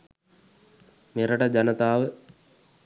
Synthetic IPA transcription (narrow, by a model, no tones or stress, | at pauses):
meɾəʈəd͡ʒanət̪aːʋə